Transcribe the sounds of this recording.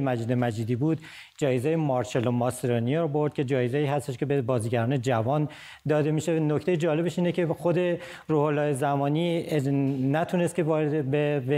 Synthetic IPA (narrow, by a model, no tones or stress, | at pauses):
mæd͡ʒiːd̪emæd͡ʒiːd̪iːbuːd̪ | d͡ʒɒːjezejemɒːɾʃelomɒseɾonijeɾbo̞ɾd̪̥̚kʲcʰe̞d͡ʒɒːjezeiːɦæst̪e̞ʃkʰʲebebɒːziːɟæɾɒːned͡ʒævɒːn | d̪ɒːd̪e̞miʃeno̞ct̪ejed͡ʒɒːle̞beʃiːnecʰe̞xod̪e̞ | ɾuːholːɒːjezæmɒːniː | næt̪ʰunest̪̚cʰevɒɾebebe